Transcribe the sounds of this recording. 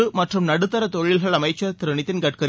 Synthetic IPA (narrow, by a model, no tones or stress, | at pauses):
ɯmɐʈrɯmnɐɽɯt̪ːɐɾɐt̪oɻɪlɣɐɭɐmɐɪt͡ʃːɐt̪ɪɾɐɳɪt̪ːɪnkɐʈ̚kɐɾ